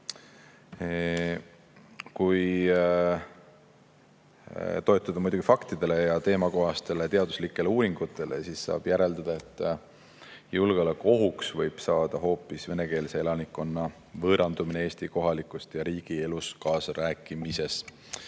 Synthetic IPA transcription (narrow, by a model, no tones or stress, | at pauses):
kuj | t̪o̞et̪ːˑɑd̪̥ɑmujd̪uɡ̥ifɑkt̪id̪̥e̞le̞jɑt̪e̞ːmɑko̞ɦɑst̪e̞le̞t̪e̞ɑd̪uslikˑːe̞leuːɾiŋɡ̥ut̪ːˑe̞le̞̰sisːɑ̰ːb̥jæɾe̞ld̪ɑd̪̥ɑe̞t̪ːˑ | julɡ̥eoleko̞ɦuksvɤjb̥sɑːd̪̥ɑɦo̞ːpːˑisve̞ne̞ke̞ːlse̞e̞lɑnikːˑo̞nːɑ | vɤːɾɑnd̪uminee̞ːst̪iko̞ɦɑlikːˑust̪jɑɾiːɡ̥ie̞luskɑːsɾæːkːˑimise̞s